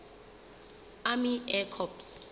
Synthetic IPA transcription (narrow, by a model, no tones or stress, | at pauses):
amiɛkʰɔps